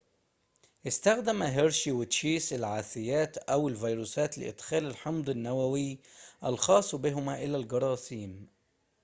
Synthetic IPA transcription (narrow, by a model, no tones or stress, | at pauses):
ʔɪst̪æxd̪æmæɦɪɾʃiwɪt̪ʃiːsɪlʕaːθɪjæːt̪ʔæwɪlvɑjɾuːsæːt̪lɪ̰ʔɪ̰d̪xæːlɪlħɑmd̪ˤɪnːæwæwɪʔælxɑːsˤːbɪɦʊmæʔɪlælɡɑɾˤɑːsiːm